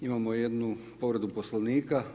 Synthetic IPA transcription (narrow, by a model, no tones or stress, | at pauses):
imamojed̪nu | po̞ʋɾed̪uposloʋniːka